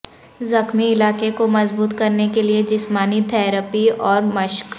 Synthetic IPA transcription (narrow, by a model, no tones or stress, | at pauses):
zɐxmiɪlaːkekomɐzbuːt̪kɐɾnekelied͡ʒɪsmaːnit̪ʰɛːɾəpiɔːɾmɐʃk